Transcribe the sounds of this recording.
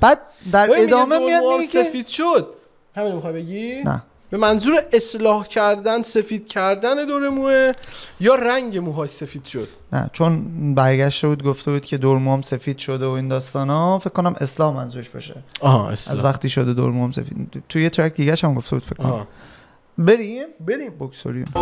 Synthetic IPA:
b̥æːd̪̥̚ | d̪æɾed̪ɒːmemijɒdiesefiːd̪̥ʃod̪̚ | hæmiːnomixɒːjbeɡinæ̰ | b̥e̞mænzuːɾeʔeslɒːhcʰæɾd̪ænse̞fiːd̪̥̚cʰæɾd̪æned̪oɾemuejɒːɾæŋɟemuɦɒːsse̞fiːd̪̥ʃod̪̥næ̰t͡ʃʰo̞nbæɾɟæʃt̪e̞buːd̪ɡoft̪ebuːd̪̥cʲʰe̞d̪oɾmuɔmse̞fiːd̪̥ʃod̪eoiːnd̪ɒːst̪ɒːnɒːfekːonæmʔeslɒːhmænzuːɾeʃb̥ɒ̰ːʃḛesʔæ̰zvæxt̪iːʃod̪ed̪o̰ɾmuomse̞̰fḭːd̪t̪ʰujet̪ʰɾæk̚d̪iːɟæʃæmɡoft̪e̞bud̪̥fekʰːonæ | beɾimbeɾimbokso̰ɾiṵn

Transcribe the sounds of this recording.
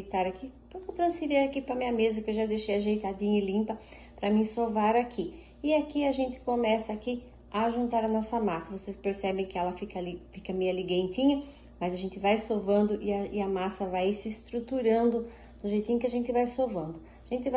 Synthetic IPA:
t̪aɾakipɾɐkewt̪ɾɐ̃sfiɾiɾakipɾɐmĩɲɐmezɐkewʒad̪eʃejɐʒejt̪ad̪ĩɲɐɪlĩmpɐ | pɾɐmĩsovaɾakʰi | ɪakiɐʒẽnt̪ɪ̥komɛsɐːki | ɐʒũnt̪aɾɐnɔsɐmasɐvosespeɾsɛbẽj̃kɪɛlɐfikɐalifikɐmejɐliɡẽnt̪ĩɲɐ | mɐzɐʒẽnt̪ɪvajsovɐ̃nd̪ʊʔɪɐɪɐmasɐvajsɪːst̪ɾut̪uɾɐ̃nd̪ʊ | d̪ʊʒejt̪ĩɲʊkɪaʒẽnt̪ɪvajsovɐ̃nd̪ʊ | aʒẽnt̪ɪva

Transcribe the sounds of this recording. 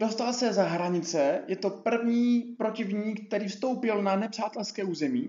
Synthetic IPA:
do̞st̪alsɛzaɦɾaɲɪt͡sɛjɛt̪o̞pr̩vɲiːpɾo̞cɪvɲiːkk̚t̪ɛɾiːfst̪o̞wpɪlnanɛpr̥aːt̪ɛlskɛːuːzɛmḭː

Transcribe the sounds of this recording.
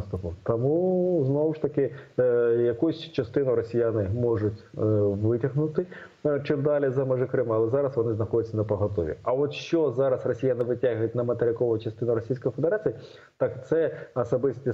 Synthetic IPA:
st̪ʊpʊt̪ɐmuznɔwʂt̪ɐkɪ | jɐkusʲt͡ʃɐst̪ɪnʊɾɔsʲijanɪmɔʐʊtʲʋɪtʲɐɦnʊt̪ɪ | t͡ʃɪmd̪ɑlʲizɐmɛʐɪkɾɪmɐɐlˠɛzɑɾɐsʋɔnɪznɐxɔdʲʊt̪ʲsʲɐnɐpɐɦɐt̪ɔ̰ʋʲḭɐʋɔt̪ʃt͡ʃɔzɑɾɐsrɔsʲijanɪʋɪtʲaɦjʊtʲnɐmɐt̪eɾʲɪkɔʋʊt͡ʃɐst̪ɪnʊɾɔsʲijsʲkɔjfed̪eɾat͡sʲiji | t̪ɑkt̪sɛɐsɐbɪsʲt̪ʲi

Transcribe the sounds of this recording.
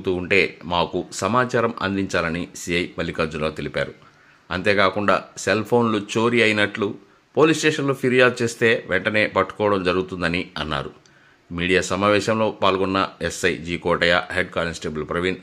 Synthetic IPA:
t̪uːɳʈe̞ːmaːkusɐmaːt͡ʃaːɾɐmɐ̰nd̪iɲt͡ʃaːlɐnisijɐjpɐlːikɐːd͡ʒuloːt̪elipa̰ːɾu | ɐnt̪e̞ːkaːkuɳɖa̰ːselpʰo̞ːnlut͡ʃo̞ːɾiɐjinɐʈlu | po̞ːliːsʈeːʂɐnloːpʰiɾijaːd̪̚t͡ʃe̞ːst̪e̞ːʋʔɛɳʈɐne̞ːpɐʈːu̥kɔːɽɐmd͡ʒɐɾuɡut̪und̪ɐniɐnːa̰ːɾu | miːɽijaːsɐmaːʋɛːʃɐmlo̞ːpaːlɡɔnːɐesɐjd͡ʒiːkɔːʈɐjaːɦeɖ̚kaːlensʈeːbɐlpɾoʋin

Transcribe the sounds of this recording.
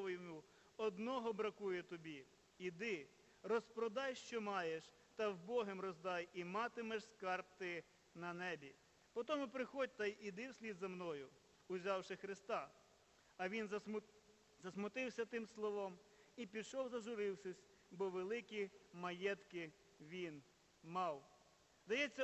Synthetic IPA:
ɔjmʊ | ɔd̪nɔɦɔbɾɐkujɛt̪ɔbʲi | id̪ɪ | rɔspɾɔd̪ɑjʃt͡ʃɔmɑjeʃ | t̪ɐzbɔɦemɾɔzd̪ɑjimɑt̪ɪmɛʃskɑrp̚t̪ɪ | nɐnɛbʲi | pɔt̪ɔmʊpɾɪxɔd̚ʲt̪ɐjʔid̪ɪwsʲlʲid̪zɐmnɔjʊ | ʊzʲɑwʃɛxɾɪst̪ɑ | ɐʋʲin | zɐsmʊt̪ɪwsʲɐt̪ɪmslˠɔʋɔmipʲid̪ʃɔwzɐʒʊɾɪwsɛsʲ | bɔʋelˠɪkʲimɐjɛt̪kɪ | ʋʲin | mɑw | zd̪ɐjɛt͡sʲːɐ

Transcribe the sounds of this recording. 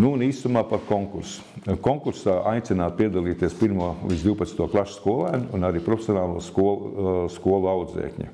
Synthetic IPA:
nuːniːst̪umaːpaɾkoŋkuɾs | koŋkuɾsaːʔajt̪sɪnaːt̪̚piɛd̪alˠiːt̪iɛspiɾmuɔliszd̪iuwpɐt̪nt̪uɔklˠaʃskuɔlˠæːnːnaɾiːpɾɔfʲe̥sjonaːlˠuɔskuɔlˠskuɔlˠawd̪zḛːkɲʲṵ

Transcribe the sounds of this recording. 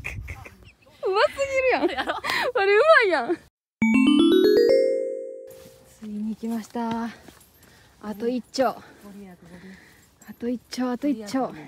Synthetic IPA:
ɯmasɨɡʲiɾɯjãβaɾeɯ̟maijã | t͡sɨɡʲiɲiːkʲimaɕi̥t̪a | at̪o̞it͡ɕːoː | at̪o̞it͡ɕːoːat̪oit͡ɕːoː

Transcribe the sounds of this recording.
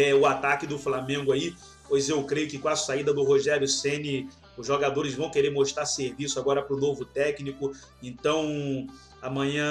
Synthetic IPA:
ɛʊat̪akɪd̪ʊflamẽɡʊai | pojzewkɾejʊkɪkõɐsaid̪ɐd̪ʊɦoʒɛɾjʊsẽnɪ | ʊzʒoɡad̪oɾɪzvɐ̃w̃keɾeɾmoʃt̪ɾaseɾvisʊaɡɔɾɐpɾʊnovʊt̪ɛknikʊ | ẽnt̪ɐ̃w̃ | amɐ̃ɲɐ̃

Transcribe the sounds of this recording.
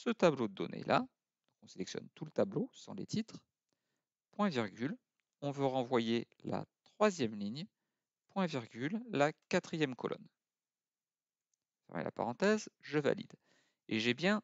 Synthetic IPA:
sət̪ablod̪əd̪ɔ̰nḛlʔa̰ | d̪̥ɔ̃kɔ̃selɛksjɔ̰nt̪ulət̪ablosɑ̰̃lḛt̪ʰit̪χ | pwɛ̃viʁɡʲyl | ɔ̃vøʁɑ̃vwaje | la̰t̪χwazjɛmliɲj | pwɛ̃viʁɡʲylːakat̪χijɛmkʰɔ̰lʔɔ̰n | fɛmɛ̰lʔa̰pa̰ʁɑ̃t̪ɛzʒəva̰lḭd̪ | eʒɛbjɛ̃

